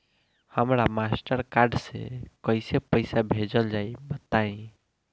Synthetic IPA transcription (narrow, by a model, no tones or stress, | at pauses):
həmɾamasʈəɾkaɾɖsḛkəjsepəɪsabʱed͡ʒəld͡ʒaibət̪aẽ